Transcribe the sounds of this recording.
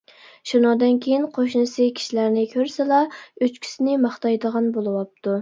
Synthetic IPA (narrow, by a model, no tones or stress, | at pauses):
ʃunɑŋd̪ɨnkʲʰejinqʰoʃnɨsɨkʲʰi̥ʃilæɾnɪkʲʰøɾsɪlɑøt͡ʃkʲʰi̥sɪnɪmɑχt̪ɑjd̪əʁɑnbolˠɨwɑp̚t̪u